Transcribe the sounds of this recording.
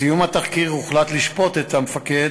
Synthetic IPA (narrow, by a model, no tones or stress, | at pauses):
ijumat̪aχkiʁuχlat̪liʃpo̞t̪et̪amefake